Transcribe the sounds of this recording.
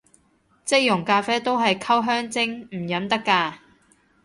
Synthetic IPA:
t͡sɪ˥k̚jʊ˨˩ŋkaː˧fɛː˥t̪o˥wɦɐ˨jkʰɐ˥wɦœː˥ŋt͡sɪ˥ŋm̩˨˩jɐ˨˧˥mt̪ɐ˥kːaː˧

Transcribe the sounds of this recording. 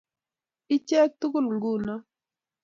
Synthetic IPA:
i˦t͡ʃɛ˦k̚t̪u˦kʊ˦˨lŋɡu˦˨na˦

